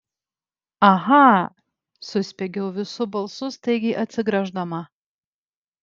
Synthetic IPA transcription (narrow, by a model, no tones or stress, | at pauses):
ɐɦɑ | sʊsʲpʲeɡʲɛʊʋʲɪsʊbɐlˠsʊst̪ɐɪɡʲɪʔɐt̪ʲsʲɪɡɾɐʒd̪ɐmɐ